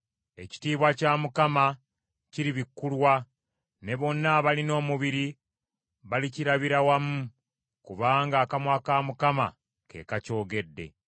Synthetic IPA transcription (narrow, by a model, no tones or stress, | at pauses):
e̞ci̥tiːβwacaːmukama | ciɾiβikːulwa | ne̞βo̞nːaβalino̞ːmuβiɾi | βaliciɾaβiɾawamu | kuβaːŋɡaːkamwakaːmukama̰ | ke̞̰ːkaco̞ːɡe̞dːe̞̰